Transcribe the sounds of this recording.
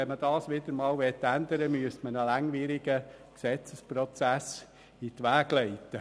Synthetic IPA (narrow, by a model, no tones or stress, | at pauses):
ɛnməd̥ɑːsʋɪd̥̪əɾmɑːlʋɛt̪ːænd̪əɾəmyəst̪mənəlæŋʋiːɾɪɡ̥ə | ksɛt͡səspɾɔt͡sæs | itʋæːɡ̥lɛɪt̪ə